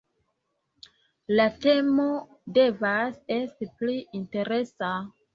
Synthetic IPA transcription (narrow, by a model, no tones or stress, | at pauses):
latemo̞ | de̞vase̞stipliʔinte̞ɾe̞sa